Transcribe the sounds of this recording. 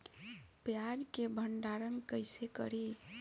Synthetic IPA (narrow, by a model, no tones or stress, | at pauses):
pjad͡ʒkebʱəɳɖaɾənkəɪsekə̰ɾi